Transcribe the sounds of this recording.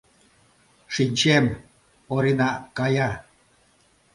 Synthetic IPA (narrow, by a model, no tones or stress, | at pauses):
ʃinʲt͡ɕem | oɾinɑkɑjɑ